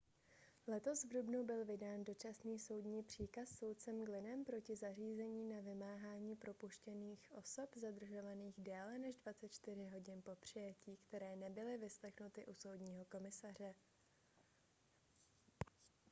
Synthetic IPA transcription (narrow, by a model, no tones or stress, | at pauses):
lɛt̪o̞svdubnubɪlvɪdaːndo̞t͡ʃasniːso̞wdɲiːpr̝̥iːkasːo̞wt̪̚t͡sɛmɡlɪnɛmpɾo̞cɪzar̝iːzɛɲiːnavɪmaːɦaːɲiːpɾo̞puʃcɛniːxʔo̞̰so̞pzad̪r̩ʒo̞vaniːɣdɛːlɛnɛʒdvatt͡sɛt̪̚t͡ʃt̪ɪr̝ɪɦo̞ɟɪnpo̞pr̝̥ɪjɛciːkt̪ɛɾɛːnɛbɪlɪvɪslɛxnut̪ɪʔuso̞wdɲiːɦo̞ko̞mɪsar̝ɛ